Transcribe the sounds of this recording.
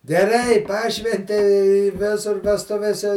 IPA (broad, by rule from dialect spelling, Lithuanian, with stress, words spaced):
ɡʲɛˈrɐɪ ˈpɑːʃʲʋʲɛnʲtʲɛɪ ɪ ˈʋʲɪsʊr ʋʲɛsˈtʊʋʲeːsʲɛ